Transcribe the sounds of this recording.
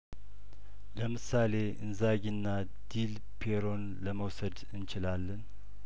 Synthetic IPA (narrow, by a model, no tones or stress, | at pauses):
ləmɨsale̞ʔɨ̰nzaɡinːa | d̪̥il | pʰeɾo̞n | ləməwsəd̪ɨnt͡ʃɪlalːən